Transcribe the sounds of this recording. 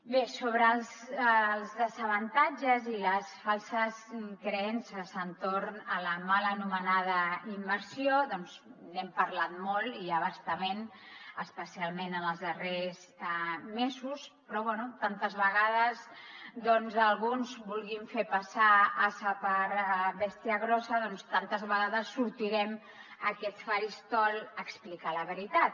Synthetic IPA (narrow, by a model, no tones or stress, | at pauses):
besoβɾəːlˠz | lˠzðəzəβənt̪ad͡ʒəziləsfalˠsəskɾəɛnsəsənt̪oɾnələmalənumənað̞əimbəɾsioðɔnznɛmpəɾlat̪mɔlˠiəβast̪əmen | əspəsialˠmenənəlˠzðərez | mezuspɾɔβwɛnut̪ant̪əzβəɣað̞əz | ðɔnzəlˠɣunzbulˠɣiɱfepasaasəpəɾβɛst̪iəɣɾɔsəðɔnst̪ant̪əzβəɣaðəsːuɾt̪iɾɛm | əkɛt̪sfaɾist̪ɔlˠəksplikaləβəɾit̪at̪̚